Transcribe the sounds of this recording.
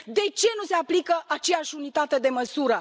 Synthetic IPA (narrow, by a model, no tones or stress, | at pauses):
d̪e̞t͡ʃe̞nuse̞aplikəʔat͡ʃe̞jaʃʲunit̪at̪e̞d̪e̞məsuɾə